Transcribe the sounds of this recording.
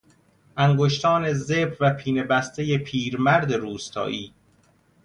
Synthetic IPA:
ʔæŋɡoʃt̪ʰɒːne̞zebɾvæpʰiːne̞bæst̪ʰeje̞pʰiːɾmæɾd̪e̞ɾuːst̪ʰɒ̰ːʔiː

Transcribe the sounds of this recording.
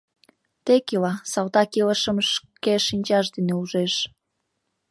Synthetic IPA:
t̪ekilɑsɑlt̪ɑkiləʃə̆mʃkeʃinʲt͡ɕɑʃd̪eneuʒeʃ

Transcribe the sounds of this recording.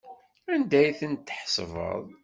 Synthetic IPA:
ænd̪æjθənt̪ːħsvə̰ðˤ

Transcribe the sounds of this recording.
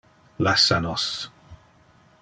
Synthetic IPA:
lɛsanɔs

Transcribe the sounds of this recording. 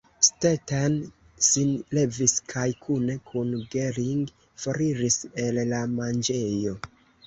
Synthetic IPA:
stetan | sinle̞viskʰajkʰune̞kʰunɡeɾiŋɡ | foɾiɾise̞lːamand͡ʒe̞jo̞

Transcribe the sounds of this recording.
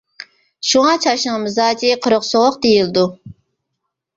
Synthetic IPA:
ʃuŋɑt͡ʃʰɑʃnɨŋmɨzɑːd͡ʒiqʰəɾʊqsoʁˠʊqd̪ejild̪u

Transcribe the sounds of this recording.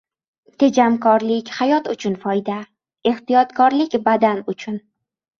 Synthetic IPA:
t̪ʰe̞d͡ʒamkʰɒɾlɪkʲhajɒt̪ʊt͡ʃʰʊnfɒjd̪a | e̞ht̪ijɒt̪kʰɒɾlɪkʲbad̪anʊt͡ʃʰʊn

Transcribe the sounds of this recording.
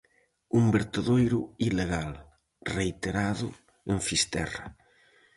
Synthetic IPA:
umbeɾt̪eðojɾʊileɣal | rejt̪eɾaðʊ̰ | eɱfist̪ɛ̰ra̰

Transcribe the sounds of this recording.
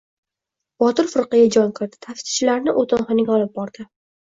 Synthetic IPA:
b̥ɒt̪ɪɾfʊɾqɨɡʲad͡ʒɒŋkɪɾd̪ɪ̥t̪ʰafsɪ̥t͡ʃʰɪlaɾnɪʔot̪ɪnχɨnɪɡʲɒlˠɪp̚bɒɾd̪̥ɪ

